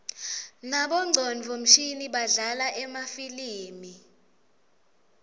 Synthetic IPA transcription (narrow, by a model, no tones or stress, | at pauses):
naɓɔŋ͡ǀʱɔnvʱom̩ʃiniɓaɮalaʔɛmafiliːmi